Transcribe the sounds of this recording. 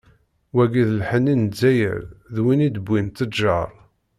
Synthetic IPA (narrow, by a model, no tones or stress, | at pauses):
wæɡiðlħənːinzːæjə̰ɾðwinid̪əbʷːint̪əʒɑɾˤ